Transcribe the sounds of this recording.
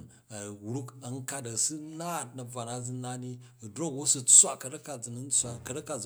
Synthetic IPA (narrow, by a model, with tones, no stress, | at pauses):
ɐ˨wu˦ɾu˦kɐ˦ŋ˦ka˦t̬ɐ˨su˦na˦˨t̚nɐ˨b͡va˨na˦d͡zu˦na˦ni˦˨dɾo˦kwo˦su˦t͡sʷa˦kɐ˨˧ɾɐ˦ka˨d͡zɨ˨nu˦n˦t͡sʷa˨kɐ˦ɾɐ˦ka˨d͡z